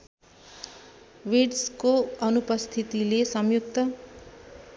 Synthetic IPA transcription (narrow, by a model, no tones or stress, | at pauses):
wiɖskoʌnupʌst̪ʰit̪ilesʌmjuk̚t̪ʌ